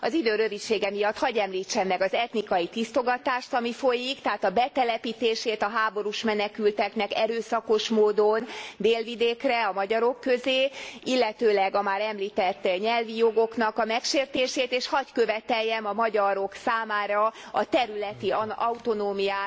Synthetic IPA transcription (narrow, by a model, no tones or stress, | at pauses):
ɒzid̪øːɾø̞vit̪ʃeːɡɛmijɒt̪ːhɒɟɛmliːt͡ʃːɛmːɛɡɒzɛt̪nikɒjit̪ist̪o̞ɡɒt̪aːʃt̪ɒmifo̞jikt̪ɛɦaːt̪ɒbɛt̪ɛlɛpit̪eːʃeːt̪ɒɦaːbo̞ɾuʃmɛnɛkylt̪ɛknɛkɛɾøːsɒko̞ʃmoːd̪ond̪eːlvid̪eːkrɛɒmɒɟɒɾo̞kːøzeːilːɛt̪øːlɛɡɒmaːɾɛmliːt̪ɛt̪ːɲɛlvijo̞ɡo̞knɒkɒmɛkʃeːrt̪eːʃeːt̪eːʃhɒckøvɛt̪ɛjːɛmɒmɒɟɒɾo̞ksaːmaːɾɒɒt̪ɛɾylɛt̪iɒut̪o̞noːmijaː